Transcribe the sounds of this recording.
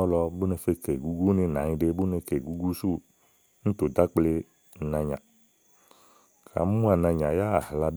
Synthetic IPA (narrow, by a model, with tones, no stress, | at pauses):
ɔ˦lɔ˧bu˦ne˧fe˧ke˨ɡu˦ɡu˦nĩ˧˨nã˨˦ɲĩ˧ɖe˧bu˦ne˧ke˨ɡu˦ɡu˦su˦˨ | n̩˦t̪o˨da˦k͡ple˧˨˦ | nã˨˧ɲã̰˨ | kʰa̰˨˦mu˦a˨nã˧ɲã˨ja˦a˨hla˧